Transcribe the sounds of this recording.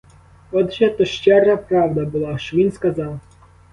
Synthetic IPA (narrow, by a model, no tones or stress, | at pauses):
ɔd̪ʒɛt̪ɔʃt͡ʃɛrɐpɾɑwd̪ɐbʊlˠɑʃt͡ʃɔʋʲinskɐzɑw